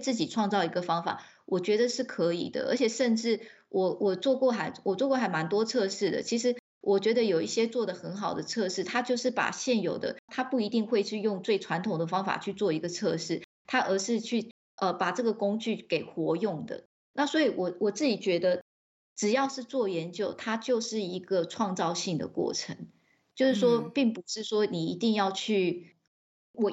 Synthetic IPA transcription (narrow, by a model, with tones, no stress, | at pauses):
t͡sɹ̩˥˩t͡ɕi˨˩ʈ͡ʂʰwɑ˥˧ŋt͡sɑ˥˩ʊi˧˥ɡə˧fɑ˥ŋfa̰˨˩ | wʔɔ˨˩t͡ɕɥɛ˧˥d̪ə˧ʂɻ̩˥˩kʰɤ˧˥ḭ˨˩d̪ə̰˦ʔə̰˧˥t͡ɕʰɛ˨˩ʂə˥˧nʈ͡ʂɻ̩˥˩ | wʔɔ˨˩wʔɔ˨˩t͡swɔ˥˧kwɔ˥˩xa˨˩˦nwʔɔ˨˩t͡swɔ˥˧kwɔ˥˩xa˧˥nma˧˥nt̪wɔ˥t͡sʰɤ˥˧ʂɻ̩˥˩d̪ə̰˩t͡ɕʰi˧˥ʂɻ̩˧˥ | wʔɔ˨˩t͡ɕɥɛ˧˥d̪ə˧jo˨˩ʊi˥˩ɕjɛ˥t͡swɔ˥˩d̪ə˩xə˧˥nxɑ˨˩ʊd̪ə˦t͡sʰɤ˥˧ʂɻ̩˥˩t̪ʰa˥t͡ɕjo˥˧ʊʂɻ̩˥˩pa̰˨˩ɕjɛ˥˩njo˨˩ʊd̪ə̰˦t̪ʰa˥pu˥˩i˧˥t̪i˥˧ŋxwe˥˧ɪt͡ɕʰy˥˧jʊ˥˧ŋt͡swe˥˩ɪʈ͡ʂʰwa˧˥nt̪ʰʊ˨˩ŋd̪ə˩fɑ˥ŋfa̰˨˩t͡ɕʰy˥˧t͡swɔ˥˩i˧˥ɡə˧t͡sʰɤ˥˧ʂɻ̩˥˩ | t̪ʰa˥ʔə˧˥ʂɻ̩˥˧t͡ɕʰy˥˩ | ə˧pa˨˩ʈ͡ʂɤ˥˩ɡə˩kʊ˥ŋt͡ɕy˥˩ke˨˩ɪxwɔ˧˥jʊ˥˩ŋd̪ə̰˩ | na˥˩swɔ˧˥i˨˩wɔ˨˩wʔɔ˨˩t͡sɹ̩˥˩t͡ɕi˨˩t͡ɕɥɛ˧˥d̪ə˧ | ʈ͡ʂɻ̩˨˩jɑ˥˧ʊʂɻ̩˥˧t͡swɔ˥˩jɛ˧˥nt͡ɕjo˥˩ʊt̪ʰa˥t͡ɕjo˥˧ʊʂɻ̩˥˩i˧˥ɡ̥ə˨ʈ͡ʂʰwɑ˥˧ŋt͡sɑ˥˧ʊɕi˥˩ŋd̪ə̰˩kwɔ̰˥˩ʈ͡ʂʰə˧˦ŋ | t͡ɕjo˥˧ʊʂɻ̩˥˩ʂwɔ˥pi˥˩ŋpu˧˦ʂɻ̩˥˩ʂwɔ˥ni˨˩i˧˥t̪i˥˧ŋjɑ˥˧ʊt͡ɕʰy˥˩ | wɔ˨˩